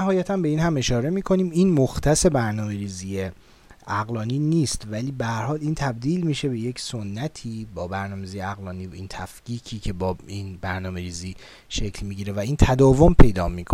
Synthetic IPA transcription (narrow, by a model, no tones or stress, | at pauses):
æɦɒːjæt̪ʰæmbe̞iːnhæme̞ʃɒːɾe̞miːkʰo̞niːmiːnmoxt̪ʰæse̞bæɾnɒːme̞ɾiːziːje | æɣlɒːniːniːst̪væliːbehæɾhɒːliːnt̪ʰæb̚d̪iːlmiːʃebe̞je̞cʰsonːæt̪ʰiːbɒːbæɾnɒːmeziːjeæɣlɒːniːiːnt̪ʰæfciːcʰiːcʰe̞bɒːiːnbæɾnɒːme̞ɾiːziː | ʃecʰlmiɟiːɾevæiːnt̪ʰæd̪ɒːvo̞mpʰe̞jd̪ɒːmiːkʰo